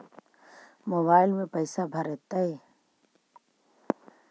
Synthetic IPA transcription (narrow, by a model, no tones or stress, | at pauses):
moːbaːɪlmẽpəɪsabʱɐɾet̪ae